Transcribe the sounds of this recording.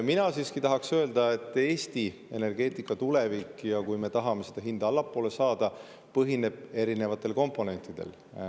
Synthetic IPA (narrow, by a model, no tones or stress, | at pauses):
minɑsiːskit̪ɑɦɑksøeld̪̥ɑe̞t̪ːˑe̞ːst̪i | e̞ne̞rɡe̞ːt̪ːˑikːˑɑt̪ule̞vikːjɑkujme̞t̪ɑɦɑme̞sed̪̥ɑɦind̪̥ɑlːɑpːˑo̞ːlesɑːd̪̥ɑ | pɤɦine̞b̥̚e̞ɾine̞vɑt̪ːˑe̞lko̞mpːˑo̞ne̞nʲt̪ːˑid̪̥e̞̰l